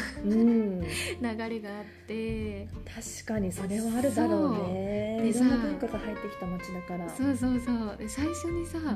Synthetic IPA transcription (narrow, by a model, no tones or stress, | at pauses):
ɯ̟̃ɴnaɡaɾe̞ɡaːt̪ːe̞t̪ʰaɕi̥kaɲ̟iso̞ɾe̞βaːɾɯ̟d̪aɾo̞ːneiɾonːobɯkaɡahait̪ːe̞kʲi̥t̪amat͡ɕid̪akaɾasoːsoːsoːd̪esaiɕo̞ɲ̟isa